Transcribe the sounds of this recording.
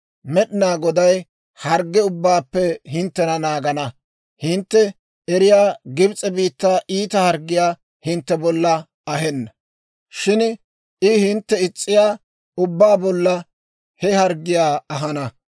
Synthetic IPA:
mɛɗɪnaːɡɔd̪ɐj | hɐɾɡːɛʊbːaːpːɛɦɪnt̪ːɛnɐnaːɡɐnɐ | hɪnt̪ːɛ | ɛɾɪjaːɡɪbt͡sʼɛbiːt̪ːaːʔiːt̪ɐhɐɾɡːɪjaː | hɪnt̪ːɛbɔlːɐ | ɐɦɛnːɐ | ʃɪn | ɪhɪnt̪ːɛɪt͡sʼːɪjaː | ʊbːaːbɔlːɐ | hɛhɐɾɡːɪjaːɐɦɐnɐ

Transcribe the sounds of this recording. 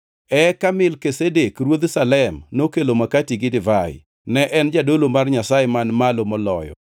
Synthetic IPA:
ɛkamɪlkesedekrwod̪salɛmnokelomakatiɡɪdɪvaɪ̰ | nɛʔɛnd͡ʒadolomarɲasajemanmalomɔlɔjɔ̰

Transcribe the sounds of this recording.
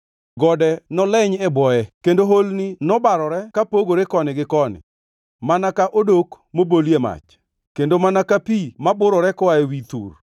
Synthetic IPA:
ɡɔdɛnɔlɛɲɛbɔɛkendoɦolninɔbaɾɔɾɛkapoɡoɾekɔnɪɡɪkɔnɪ̰ | manakaʔodok | moboljema̰t͡ʃ | kendomanakapimabʊɾɔɾɛkɔaewit̪ṵr

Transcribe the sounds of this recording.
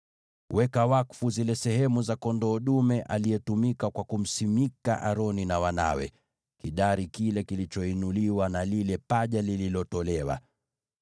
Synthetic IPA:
wɛkawakfuzilɛsɛɦɛmuzakɔndɔːɗumɛʔalijɛtumikakwakum̩simika̰ʔaɾɔninawana̰wɛ̰ | kiɗaɾikilɛkilit͡ʃɔinuliwanalilɛpaʄalililɔtɔlɛwa̰

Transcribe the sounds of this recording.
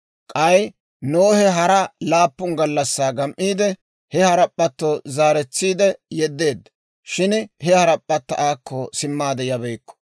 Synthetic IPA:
kʼɐj | noːhɛɦɐɾɐlaːpːʊŋɡɐlːɐsːaːɡɐmʔiːd̪ɛ | hɛhɐɾɐpʼːɐt̪ːozaːɾɛt͡sːiːd̪ɛjɛd̪ːe̞ːd̪ːɐ | ʃɪnhɛhɐɾɐpʼːɐt̪ːɐʔaːkːosɪmːaːd̪ɛjɐbɛjkːɔ̥

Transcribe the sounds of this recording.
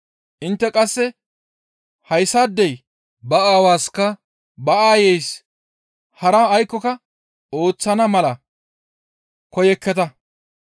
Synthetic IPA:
ʔɪnt̪ːɛkʼɐsːɛ | hɐjsːaːd̪ːɛj | bɐaːwaːskɐ | bɐʔaːjɛjs | hɐɾɐːjkːɔkɐ | o̞ːt͡sːɐnɐmɐlɐ | kɔjɛkːɛt̪ɐ

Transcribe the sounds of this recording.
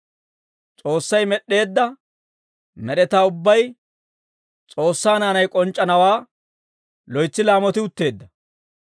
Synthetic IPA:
t͡sʼo̞ːsːɐjmɛɗːe̞ːd̪ːɐ | mɛɗɛt̪aːʊbːɐj | t͡sʼo̞ːsːaːnaːnɐjkʼɔnt͡ʃʼːɐnɐwaː | lɔjt͡sːɪlaːmɔt̪ɪʊt̪ːe̞ːd̪ːɐ

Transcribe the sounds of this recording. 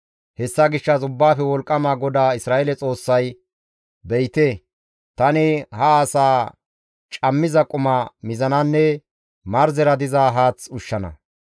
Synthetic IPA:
hɛsːɐɡɪʃːɐsʊbːaːfɛwɔlkʼːɐmaːɡɔd̪aːɪsɾaːʔɛlɛt͡sʼo̞ːsːɐj | bɛjt̪e | t̪ɐnɪhɐːsaː | t͡ʃʼɐmːɪzɐkʼʊmɐmɪzɐnɐnːɛ | mɐɾzɛɾɐd̪ɪzaːɦaːt͡sʊʃːɐnɐ̰

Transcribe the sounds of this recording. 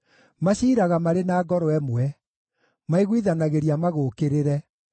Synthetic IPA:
maɕiːɾaɣamaɾenaːɡɔɾoɛmwɛ | maiɣwiðanaɣeɾiamaɣoːkeɾeɾɛ

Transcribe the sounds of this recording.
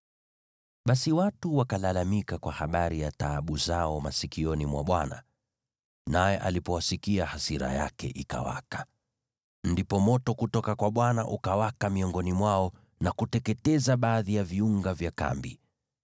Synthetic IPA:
ɓasiwatuwakalalamikakwahaɓaɾijataɓuzaɔmasikiɔnimwaɓwana̰ | najɛʔalipɔwasikiahasiɾa̰ja̰kɛ̰ʔika̰wa̰kḁ | ndipɔmɔtɔkutɔkakwaɓwanaʔukawakamiɔŋɡɔnimwaɔ | nakutɛkɛtɛzaɓaːðijaviuŋɡavjaka̰mbḭ

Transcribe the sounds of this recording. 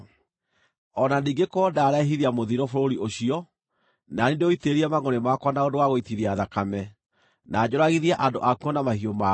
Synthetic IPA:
ɔnaniːŋɡekɔːdaɾɛɦiðiamoðiɾɔfoɾoɾiʔoɕiɔ | nanindeoiteːɾiɛmaŋonemakwanaondowaɣoitiðiaðakamɛ | naːd͡ʑoɾaɣiðiaʔandoʔakuɔnamahioma

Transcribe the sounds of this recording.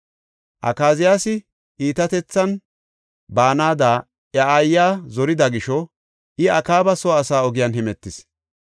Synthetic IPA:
ʔɐ̰kaːzɪjaːsɪ | ʔiːt̪ɐt̪ɛt͡sːɐn | baːnaːd̪aː | ɐajːaːzɔɾɪd̪ɐɡɪʃɔ | ʔɪɐkaːbɐsɔːsaːɔɡɪjɐnɦɛmɛt̪ːɪs

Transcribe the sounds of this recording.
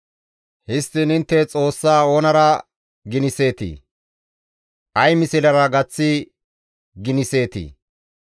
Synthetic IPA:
hɪst̪ɪnɪnt̪ːɛt͡sʼo̞ːsːaːoːnɐɾɐ | ɡɪnɪse̞ːt̪ḭː | ʔɐjmɪsɪlɐɾɐɡɐt͡sːɪ | ɡɪnɪse̞ːt̪ḭː

